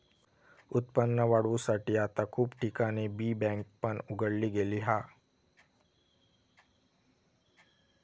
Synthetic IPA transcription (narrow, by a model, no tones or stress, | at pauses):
ʊt̪pənːəʋaːɽʋusaʈiaːt̪akʰuːbʈikanebiːbɛ̃ŋk̚pəɳʊɡəɽliɡeːliɦaː